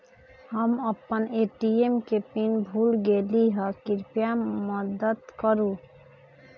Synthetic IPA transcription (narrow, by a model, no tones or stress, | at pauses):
həməpːəneʈiemkepinbʱuːlɡeliɦəkɪɾpjaməd̪əd̪kəɾũ